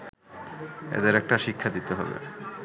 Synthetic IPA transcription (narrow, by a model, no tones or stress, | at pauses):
ḛd̪eɾɛk̚ʈaʃikʰːad̪it̪eɦɔbḛ